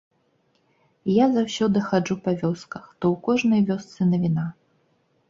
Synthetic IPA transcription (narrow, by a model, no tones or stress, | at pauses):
jazawsʲɔd̪ɨxad͡ʐupɐvʲɔskɐxt̪ɔwkɔʐnɐjvʲɔst̪sɨnɐvʲina